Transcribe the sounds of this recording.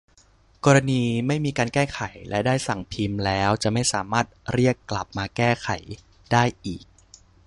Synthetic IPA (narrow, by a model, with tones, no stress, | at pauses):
kɔː˧ɾa˧niː˧ma˥˩jmiː˧kaː˧nkɛː˥˩xʰa˩˦jlɛ˦˥daː˥˩jsa˨˩ŋpʰi˧mlɛː˦˥wt͡ɕa˨˩ma˥˩jsaː˩˦maː˥˩t̪̚ɾi˥˩əkːla˨˩p̚maː˧kɛː˥˩xʰa˩˦j | daː˥˩jʔiː˨˩k̚